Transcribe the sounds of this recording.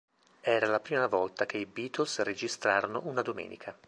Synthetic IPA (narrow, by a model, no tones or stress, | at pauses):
ɛːɾalapɾiːmavɔlt̪akeibiːt̪olsred͡ʒist̪ɾaːɾonoʔunad̪omɛ̰ːnḭkʰa